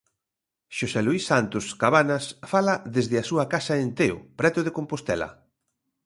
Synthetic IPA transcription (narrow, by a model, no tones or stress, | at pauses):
ʃosɛluisːant̪ʊskaβanɐsfalɐðezðɪasuɐkasɐent̪eo̰pɾɛt̪ʊðekompost̪ɛlɐ̰